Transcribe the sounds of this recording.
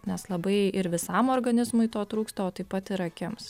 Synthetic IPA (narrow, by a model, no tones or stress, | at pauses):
nʲɛslˠɐbɐɪɪɾʋʲɪsɐmoːɾɡɐnʲɪzmʊɪt̪oːt̪ɾuːkst̪ɐoːt̪ɐɪpɐt̪ɪɾɐkʲɪms